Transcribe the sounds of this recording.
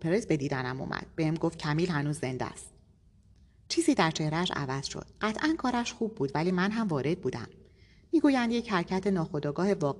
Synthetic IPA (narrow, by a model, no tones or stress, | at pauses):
pʰeɾesbe̞d̪iːd̪ænæmṵːmʔæ̰d̪̥̚behemɡoft̪̚cʰæmiːlhænuːzːe̞nd̪æ̰st̪̚ | t͡ʃʰiːziːd̪æɾt͡ʃʰe̞hɾææʃæ̰væz̥ʃo̰d̪̥̚ɢæt̪ʰʔænkʰɒːɾæʃxuːb̚ːuːd̪væliːmænɦæmvɒːɾe̞d̪̚buːd̪æ̰mː | iːɡuːjænd̪jechæɾcʰæt̪ʰe̞nɒːxo̞d̪ɒːɡɒːhe̞vɒː